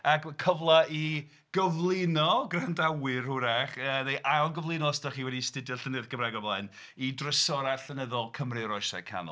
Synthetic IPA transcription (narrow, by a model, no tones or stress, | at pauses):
akkʰəvlˠai | ɡ̥əvlˠɪnɔɡrandawɨrhʊɾaχəːnejʔajɔlˠɡəvlˠɨnɔɔstaχiwɛdistɪdjɔɬənɨðɡ̥əmraɡɔvlˠaɨn | idrəsɔɾaɬənɛðɔlˠkʰəmrɨɾɔjsɛ̰kʰa̰nɔ̰